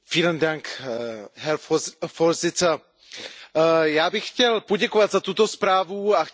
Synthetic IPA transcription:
fiːləndaŋk | ɦɛɾfoɾzɪt͡sə | jaːbɪxcɛlpo̞ɟɛkovat̪zat̪ut̪o̞spɾaːvuax

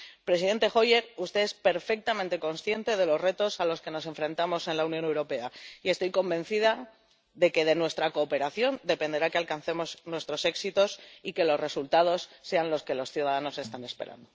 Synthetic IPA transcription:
pɾe̞s̬iðe̞nt̪e̞xo̞je̞ɾust̪e̞e̞spe̞ɾfe̞k̚t̪amẽnt̪e̞ko̞nsθje̞nt̪e̞ð̞e̞lo̞zre̞t̪o̞salo̞ske̞no̞s̬e̞ɱfɾe̞nt̪amo̞se̞nlauwnjone̞wɾo̞pe̞aie̞st̪o̞jko̞mbe̞n̟θiða | ðe̞ke̞ð̞e̞nwe̞st̪ɾako̞ːpe̞ɾaθjo̞nd̪e̞pe̞nd̪e̞ɾakealkanθe̞mo̞znwe̞st̪ɾo̞se̞ksit̪o̞sike̞lo̞zre̞sult̪að̞o̞sːe̞anlo̞ske̞lo̞sθjuðaðano̞se̞st̪ane̞spe̞̰ɾa̰nd̪o

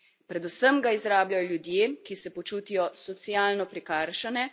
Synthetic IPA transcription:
pɾɛd̪usəmɡaizɾaːblajɔljud̪jeːkisɛpɔt͡ʃuːt̪ijɔsɔt̪sjaːlnɔpɾikaɾʃanɛ

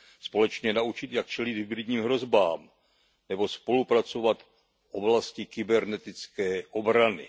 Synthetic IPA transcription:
spo̞lɛt͡ʃɲɛnaut͡ʃɪt̪jak̚t͡ʃɛlɪd̪ɦɪbɾɪdɲiːmɦɾo̞zbaːm | nɛbo̞spo̞lupɾat͡so̞vat̪ | fʔo̞blascɪkɪbɛɾnɛt̪ɪt͡skɛːʔo̞bɾanɪ̰

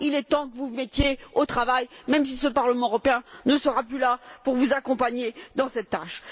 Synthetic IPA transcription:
ilɛt̪ɑ̃kəvumɛt̪jeot̪χavajmɛmsisəpaʁləmɑ̃øʁɔpeɛ̃nəsəʁaplylapuʁvuzakɔ̃paɲed̪ɑ̃sɛt̪ːaʃ

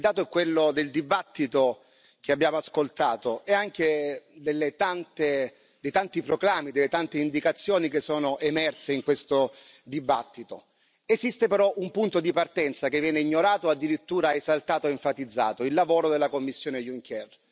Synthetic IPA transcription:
d̪aːt̪oɛkːwelːod̪eld̪ibat̪ːit̪o | k̟eabjaːmoaskolt̪aːt̪oɛaŋk̟ed̪elːet̪ant̪e | d̪ejt̪ant̪ipɾoɡɾamːid̪elːet̪ant̪eind̪ikat̪sːjoːnik̟esːɔːnoʔemɛrseiŋkwest̪od̪ibat̪ːit̪o̰ | ezist̪epeɾɔʔumpunt̪od̪ipart̪ɛnt̪sak̟evːjɛːneiɲːoɾaːt̪oad̪ːiɾit̪ːuːɾaezalt̪aːt̪oeeɱfat̪id̪zːa̰ːt̪oilːavoːɾod̪elːakomːisːjoːnejuŋkʰɛr

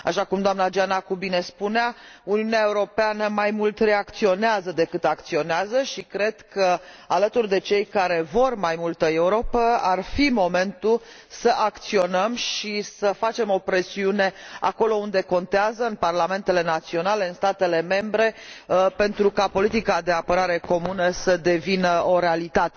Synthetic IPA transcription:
aʃakumd̪oamnad͡ʒanakubine̞spunea | uniuneae̞uɾo̞peanəmajmult̪re̞akt̪sio̞neazəd̪e̞kɨt̪ak̚t̪sio̞neazəʃikɾe̞d̪̥kə | alət̪urd̪e̞t͡ʃe̞jkaɾe̞vo̞rmajmult̪əe̞uɾo̞pəarfimo̞me̞nt̪ul | səʔakt̪sio̞nəmʃisəfat͡ʃe̞mo̞pɾe̞siune̞a̰ko̞lo̞und̪e̞ko̞nt̪eazəɨnparlame̞nt̪e̞le̞nat̪sio̞nale̞ɨnst̪at̪e̞le̞me̞mbɾe̞pe̞nt̪ɾukapo̞lit̪ikad̪e̞apəɾaɾe̞ko̞munəsəd̪e̞vinəo̞ɾe̞alit̪at̪e

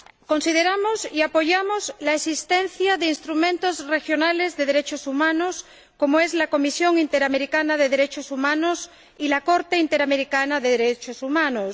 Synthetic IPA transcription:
ko̞nsiðeɾamosiapo̞ʝamoslaesist̪ẽn̟θjaðeinst̪ɾumẽnt̪ozre̞xjo̞nalezðe̞ðeɾet͡ʃosumãnos | ko̞moe̞zlako̞misjo̞ŋint̪eɾame̞ɾikanað̞eð̞eɾe̞t͡ʃosumãnos | ilako̞ɾt̪eint̪e̞ɾame̞ɾikanaðeðeɾet͡ʃosumãnos

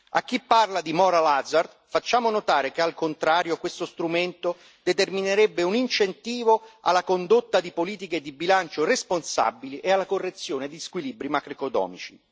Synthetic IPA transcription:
a̰kːipːarlad̪imɔːɾalazard̪fat͡ʃːaːmonot̪aːɾekealkont̪ɾaːɾjokwest̪ost̪ɾument̪o | d̪et̪ermineɾebːeunint͡ʃent̪iːvoa̰lːakond̪ot̪ːad̪ipoliːt̪̬iked̪ibilant͡ʃoresponsa̰bːiliʔealːakorːet̪sːjoːned̪iskwilibɾimakɾikot̪ɔ̰ːmit͡ʃḭ

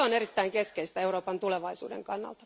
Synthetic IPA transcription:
onerit̪ːæiŋkeskeist̪æeuɾoːpɑnt̪uleʋɑisṵːdḛŋkɑnːɑ̰lt̪ɑ̥

